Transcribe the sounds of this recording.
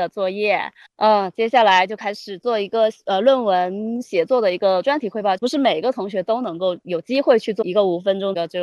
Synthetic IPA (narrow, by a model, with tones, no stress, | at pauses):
ə˩t͡swɔ˥˧jɛ˥˩ | ə˥˩t͡ɕjɛ˥ɕja˥˩la˧˥ɪt͡ɕjo˥˩ʊkʰa˥ɪʂɻ̩˨˩t͡swɔ˥˩i˧˥ɡə˧ə˧lwə˥˩nwə˧˥nɕjɛ˧˥t͡swɔ˥˩d̪ə˩i˧˥ɡə˧ʈ͡ʂwa˥nt̪ʰi˨˩xwe˥˧pɑ˥˧pu˧˥ʂɻ̩˥˩me˨˩ɪ˥ɡə˧t̪ʰʊ˧˥ŋɕɥɛ˧˥t̪o˥ʊnɤ˧˥ŋko˥˩ʊjo˨˩ʊt͡ɕi˥xwe˥˧ɪt͡ɕʰy˥˧t͡swɔ˥˩i˧˥ɡə˧u˨˥˩fə˥nʈ͡ʂʊ˥ŋ˧ə˧˩ʈ͡ʂɤ˥˧